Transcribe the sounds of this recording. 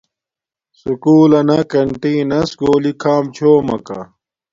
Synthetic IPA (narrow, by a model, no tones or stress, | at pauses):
sukuːlɐnɐkɐɳʈeːnɐsɡoːlikʰaːmt͡ɕʰoːmɐ̰kɐ̰